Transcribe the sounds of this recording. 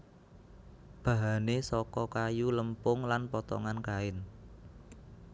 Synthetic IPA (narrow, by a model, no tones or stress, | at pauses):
b̥a̤ɦanesɔkɔkajuləmpʊŋlanpɔt̪ɔ̰ŋankaɪn